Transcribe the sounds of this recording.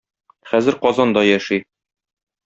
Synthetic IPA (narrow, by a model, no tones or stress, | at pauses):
χæzɘɾqɒzɑnd̪ɒjæʃi